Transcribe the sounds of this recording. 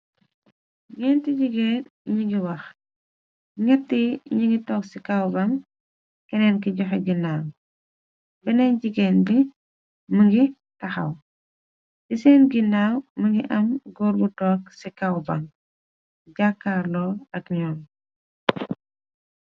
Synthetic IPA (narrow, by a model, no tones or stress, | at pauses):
ɡɛːntiɟiɡɛːnɲiŋɡiwɐx | ŋɛtːiɲiŋɡitɔːksikawbɐŋ | kɛnɛnkiɟɔxɛɡinaːw | bɛnɛɲɟiɡɛːnbi | məŋɡi | tɐxɐ̰w | disɛnɡinaːwməŋɡiʔɐmɡɔːɾbutɔːksikawba̰ŋ | ɟakːarlɔɐkɲɔːn